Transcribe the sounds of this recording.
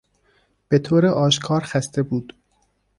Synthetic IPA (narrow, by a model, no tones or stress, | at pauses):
b̥et̪ʰoːɾeʔɒːʃkʰɒːɾxæst̪ʰebuːd̪̥